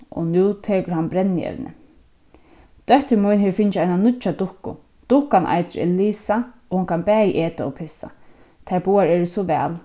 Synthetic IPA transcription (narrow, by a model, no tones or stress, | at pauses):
ɔ̰nuːt̪ʰeːkʊɹɦanbɾɛnːɪɛ̰ʋnɪ̰ | d̪̥œht̪ɪmɔjnɦɛːʋfɪnt͡ʃajnanʊt͡ʃad̪ʊhkʊ̰ | d̪̥ʊhkanʔa̰jt̪ʏɾɛ̰liːsa | ɔhʊŋkʰanbɛːjəʔeːt̪aɔ̰pʰɪsa̰ | t̪ʰaɹbuːaɹɛːɾɪsɔʋɛ̰ːl